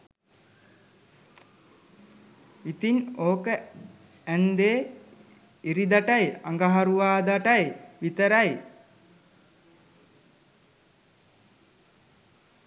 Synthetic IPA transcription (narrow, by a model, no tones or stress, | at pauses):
it̪inoːkə | ænd̪eː | iɾid̪aʈajaŋɡaɦaɾuʋaːd̪aʈajʋit̪əɾaj